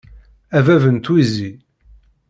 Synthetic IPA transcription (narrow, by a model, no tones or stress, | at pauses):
ævævənt̪wizi